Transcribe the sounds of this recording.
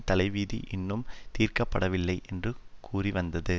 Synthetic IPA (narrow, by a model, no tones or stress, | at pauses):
t̪ɐlɐɪʋiːðiʔɪnːɯmt̪iːrkɐpːɐɽɐʋɪlːɐɪʔɛndrɯkʰuːriʋɐnd̪ɐðɯ